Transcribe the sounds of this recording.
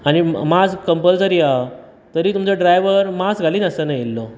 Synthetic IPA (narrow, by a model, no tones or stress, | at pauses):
animad͡zkəmpəld͡zəɾia | t̪əɾiːt̪umt͡səɖɾajʋəɾmasɡʱaliːnəsənajelːo